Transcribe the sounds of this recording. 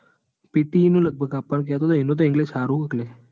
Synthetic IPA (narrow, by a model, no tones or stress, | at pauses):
pɪt̪inũləɡ̚bʱəɡapːəɳk̬ɛɦət̪ot̪oɪnõt̪̬oɪ̃ŋɡled͡ʒsaɾũəkle